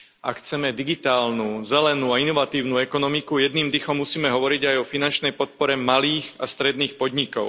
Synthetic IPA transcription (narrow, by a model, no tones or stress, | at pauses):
a̰kxt͡sɛmɛd̪iɡit̪aːlnuzɛlɛnuainɔʋat̪iːʊnuɛkɔnɔmikujɛd̪niːmd̪ixɔmːusiːmɛɦɔʋɔɾiɟajɔfinant͡ʃnɛjpɔt̪̚pɔɾɛmaliːɣast̪ɾɛd̪niːxpɔd̪ɲikɔʊ